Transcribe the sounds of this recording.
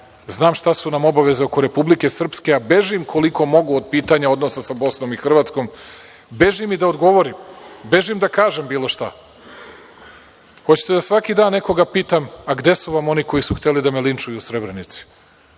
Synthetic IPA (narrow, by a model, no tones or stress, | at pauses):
znaːmʃt̪asunamo̞baʋe̞zeo̞ko̞ɾe̞publike̞sr̩pske̞abe̞ʒimkʰo̞liko̞mo̞ɡuod̪̚piːt̪aɲao̞d̪no̞sasabo̞sno̞mixr̩ʋaːt̪sko̞m | be̞ʒimid̪ao̞d̪ɡo̞ʋo̞ɾimbe̞ʒimd̪akaːʒe̞mbiːlˠo̞ʃt̪a | xo̞t͡ɕi̥t̪ed̪asʋakid̪aːnːe̞ko̞ɡapiːt̪amaɡd̪e̞suʋamo̞niko̞jisuxt̪e̞lid̪amelint͡ʃujuːsɾe̞bɾenit̪si̥